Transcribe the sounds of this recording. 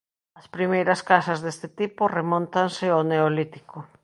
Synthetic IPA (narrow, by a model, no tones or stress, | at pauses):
ɐspɾimejɾɐskasɐzðest̪ɪt̪ipʊremõnt̪ansɪoneolit̪iko